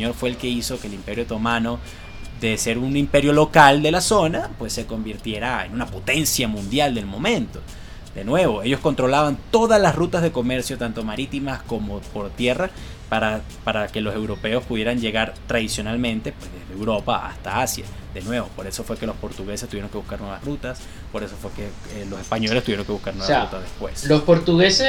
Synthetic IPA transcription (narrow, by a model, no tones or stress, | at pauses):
ɲoɾfwe̞ːlke̞iso̞keːlimpe̞ɾjot̪o̞mano̞ | ðe̞se̞ɾunimpe̞ɾjo̞lo̞kald̪e̞laso̞napwe̞sːe̞ko̞mbiɾt̪je̞ɾaḛnunapo̞t̪e̞nsjamũnd̪jald̪e̞lmo̞mẽ̞nt̪o̞ | d̪e̞nwe̞βo̞e̞ʝo̞skont̪ɾo̞laβant̪o̞ðazlasrut̪azðe̞ko̞me̞ɾsjo̞t̪ant̪o̞maɾit̪imasko̞mo̞po̞ɾt̪je̞ra | paɾa | paɾake̞lo̞se̞wɾo̞pe̞o̞spuðje̞ɾaɲd͡ʒe̞ɣaɾt̪ɾaðisjo̞nalmẽ̞nt̪e̞pwezðe̞zðeewɾo̞paa̰st̪aasja̰ðe̞nwe̞βo̞po̞ɾe̞so̞fwe̞ke̞lo̞spo̞ɾt̪uɣe̞sest̪uβjeɾo̞ŋkeβuskaɾnweβasrut̪as | po̞ɾe̞so̞fweke | lo̞se̞spaɲo̞lest̪uβjeoŋke̞βuskaɾnwerut̪aðespwe̞slospoɾt̪uɣese